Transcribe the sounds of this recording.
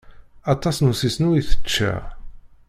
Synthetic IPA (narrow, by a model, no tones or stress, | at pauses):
ɑt̪ˤɑsnusisnuiθə̥t͡ʃːæ̰